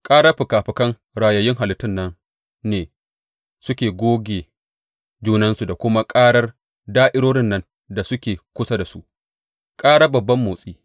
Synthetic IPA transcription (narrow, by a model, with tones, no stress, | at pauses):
kʼaː˦ɽa˦ɸɪ˨kaː˨ɸɪ˨kɐ˦ŋ | ɽaː˨jɐ˨jɪ˦ŋɦa˨lɪ˨˦tːɪ˦nːɐ˦n | neː˨ | sʊ˦kʲeː˨ɡʷoː˦ɡʲeː˨ | d͡ʒuː˦nɐ˦nsu˨da˨kʷʊ˦ma˦kʼaː˦ɽɐ˦r | daː˦ʔɪ˦ɽoː˦ɽɪ˦nːɐ˦n | da˨sʊ˦kʲeː˨kʷʊ˦sa˦da˨su˦ʔ | kʼaː˦ɽa˦bɐ˨bːɐ˦mːoː˨sʼiː˦